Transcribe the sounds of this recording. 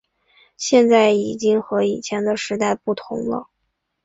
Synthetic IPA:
ɕjɛ˥˧nt͡sa˥˩ɪi˨˩t͡ɕi˥ŋxɤ˧˥i˨˩t͡ɕʰjɛ˧˥nd̪ə˧ʂɻ̩˧˥t̪a˥˧ɪpu˥˩t̪ʰʊ̰˧˥ŋlə̰˧

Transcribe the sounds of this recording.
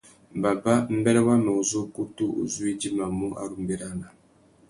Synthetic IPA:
ba˨ba˦m̩˦bɛ˦lɛ˦wa˦mɛ˨u˨zo˦ku˦tu˦ṵ˨zu˦i˦d͡ʒi˦ma˨mu˦ʔa̰˦˨ɾu˨m̩˦be˦ɾa˦na˨

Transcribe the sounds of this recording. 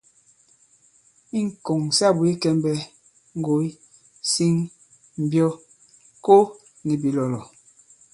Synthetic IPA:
i˦ŋ̩˨ko˨ŋsa˦˨bu˨i˦kɛ˦mbɛ˦ | ŋ̩˦ɡo˨˦i˦ | si˦ŋ | m̩˨bjɔ˦ | ko˦ | ni˨bi˨lɔ˨lɔ˨

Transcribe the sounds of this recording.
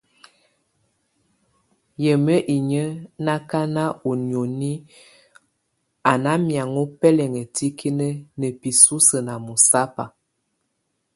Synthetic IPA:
jə˨mə˦ʔi˨ɲə˦na˦ka˦na˦o˨njo˨ni˦ | a˨na˦mja˨ŋo˦pɛ˦lɛ˨ŋə˨ti˦kʰi˦nə˦nə˨pi˨su˦sə˨na˨mu˨sa˦pa˨

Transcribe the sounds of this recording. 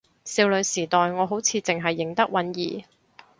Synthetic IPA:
siː˧wlɵ˨˧ɥsiː˨˩t̪ɔː˨jŋɔː˨˧ɦo˨˥wt͡sʰiː˧t͡sɪ˨ŋɦɐ˨jːɪ˨˩ŋt̪ɐ˥k̚wɐ˨˥njḭː˨

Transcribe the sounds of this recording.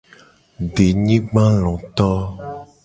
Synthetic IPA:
ɖe˨ɲĩ˦ɡ͡bã˦lɔ̃˨t̪ɔ˦

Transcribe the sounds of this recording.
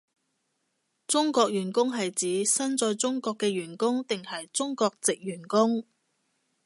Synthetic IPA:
t͡sʊ˥ŋkɔː˧k̚jyː˨˩nkʊ˥ŋɦɐ˨jt͡siː˨˧sɐ˥nt͡sɔː˧jt͡sʊ˥ŋkɔː˧kːɛː˧ɥyː˨˩nkʊ˥ŋt̪ɪ˨ŋhɐ˨jt͡sʊ˥ŋkɔː˧k̚t͡sɪ˨k̚jyː˨˩nkʊ˥ŋ

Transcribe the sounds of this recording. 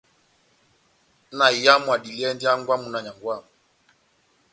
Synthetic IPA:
na˨i˨ja˦mwa˨ɗi˨li˦ɛ˦ndi˦a˦ŋɡwa˦mu˨na˨ɲa˨ŋɡwa˦˨

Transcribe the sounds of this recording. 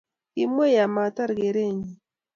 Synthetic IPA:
i˦mwe˦ja˨ma˨ta˦ɾɡe˨ɾe˦˨ɲi˨

